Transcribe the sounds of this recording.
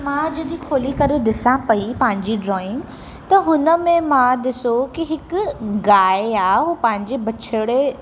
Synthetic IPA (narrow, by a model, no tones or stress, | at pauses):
mãːd͡ʑɐd̪ĩkʰoːlikɐɾɪd̪ɪsãpɐipɐ̃ɦɪ̃ɲd͡ʑiɖɾɔːɪ̃ŋɡ | t̪ɐɦʊnə̆mẽmãd̪ɪsokiɦɪkʊɡaːeaːeɦuːpɐ̃ɦɪ̃ɲd͡ʑebɐt͡ɕʰəɽe